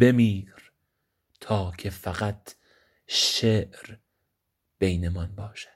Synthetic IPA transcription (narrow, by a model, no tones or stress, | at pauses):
be̞miːɾ | t̪ʰɒːkʰe̞fæɣæt̪ʰ | ʃeːʔɾ | b̥e̞jnemɒnbɒːʃæ̥d̪̥